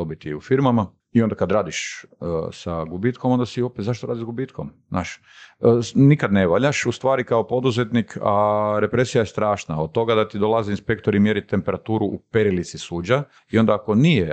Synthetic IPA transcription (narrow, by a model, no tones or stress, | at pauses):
obit̪iufiɾmama | iond̪akad̪ɾaːd̪iʃəsaɡubit̪komo̞nd̪asio̞pet̪zaʃt̪oɾaːd̪izɡubiːt̪komznʔa̰ːʃ | ənikad̪neʋaʎaʃust̪ʋaːɾikaopo̞d̪uzet̪nikʰaɾe̞pɾesijajest̪ɾaːʃnaod̪̚t̪o̞ɡad̪at̪id̪olˠaziinspe̞kt̪oɾimjeɾit̪empeɾat̪uːɾuʔupeɾilit̪sisuːd͡ʑa | io̞nd̪aːko̞nije